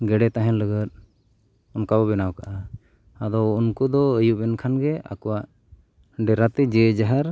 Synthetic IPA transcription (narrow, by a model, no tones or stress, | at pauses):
ɡɛɖɛt̪aɦɛ̃nləɡət̪̚ˀ | ɔnkabɔbɛnawkaʔa | ad̪ɔwunkud̪ɔəjuʔɛnkʰanɡɛa̰kɔwaʔ | ɖɛɾat̪ɛd͡ʒɛd͡ʒaɦaɾ